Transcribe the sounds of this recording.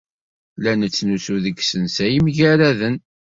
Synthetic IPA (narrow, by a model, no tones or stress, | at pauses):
lænət͡sːnusuðəɡsənsæjəmʝæɾæðən